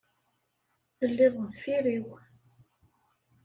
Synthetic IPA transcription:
θəlːɪðˤðfiɾiw

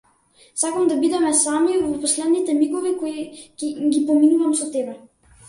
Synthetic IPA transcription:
sakamd̪abid̪ɛmɛsamivɔpɔslɛd̪nit̪ɛmikɔvikoikɛɡʲipɔminuvamsɔt̪ɛbɛ

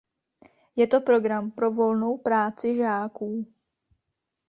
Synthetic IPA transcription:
jɛt̪o̞pɾo̞ɡɾampɾo̞vo̞lno̞wpɾaːt͡sɪʒaːkuː

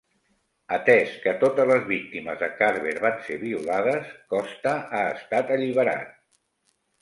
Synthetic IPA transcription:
ət̪ɛskət̪ot̪əzləzβik̚t̪iməzðəkaɾβeɾβanseβ̞iulaðəskɔst̪əaːst̪at̪əʎiβəɾa̰t̪̚

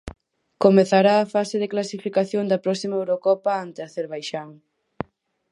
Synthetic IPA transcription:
komeθaɾaːfaseðeklasifikaθjoŋd̪ɐpɾɔsimɐewɾokɔpaant̪eaθeɾβajʃaŋ

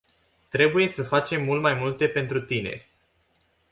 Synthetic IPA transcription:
t̪ɾe̞buje̞səfat͡ʃe̞mːult̪majmult̪e̞pe̞nt̪ɾut̪ine̞̰rʲ

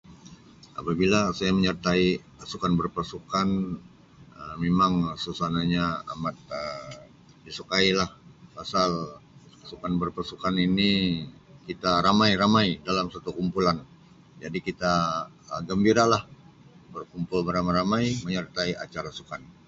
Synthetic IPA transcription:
ʔa̰pabilasajaməɲərt̪ai | sukanbərpasukan | əmemaŋsusanaɲaa̰mat̪̚ə | disukailahpasalasukanbərpasukanini | kit̪aɾamajɾamajdalamsat̪ukumpulan | d͡ʒadikit̪a | əɡəmbiɾalahbərkumpʊlbəɾamaɾamajməɲərt̪aiʔa̰t͡ʃaɾasukan

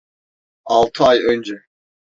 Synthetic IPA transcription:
ɑlˠt̪ʰɯɑjønd͡ʒɛ

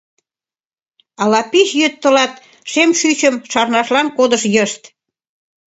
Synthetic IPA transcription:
ɑlɑpiʃjøt̪ːəlɑt̪ | ʃemʃyt͡ɕəmʃɑrnɑʃlɑnkod̪əʃjəʃt̪

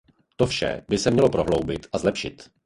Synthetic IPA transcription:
t̪ofʃɛ̰bɪsɛmɲɛlo̞pɾo̞ɦlowbɪt̪ʔazlɛpʃɪt̪

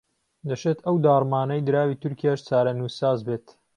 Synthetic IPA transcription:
d̪ɐʃet̪ʰɐwd̪aːrˤmaːnɐjd̪ɨɾaːwiːt̪ʰʊɾkijaʃt͡saːɾɐnusaːzbeːt̪

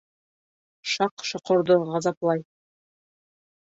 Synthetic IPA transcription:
ʃɑqʃŏqŏɾd̪ɤʁɑzɑplˠɑj

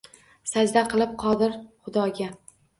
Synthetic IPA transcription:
sad͡ʒd̪aqɨlˠɪp̚qʰɒd̪ɪɾχʊd̪ɒɡʲa

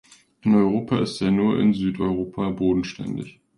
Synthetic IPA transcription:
ʔɪnɔʏʁoːpʰaɪstaːɐnuːɐʔɪ̰nzyːtɔʏʁ̞oːpʰaboːdn̩ʃtɛ̰ndɪ̰ç

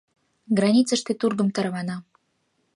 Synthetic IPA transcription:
ɡrɑnʲit̪t͡səʂt̪et̪urɡə̆mt̪ɑɾβɑnɑ

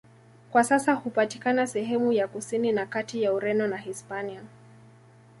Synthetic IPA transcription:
kwasasahupatikanasɛɦɛmujakusininakatijauɾɛnɔnahispania

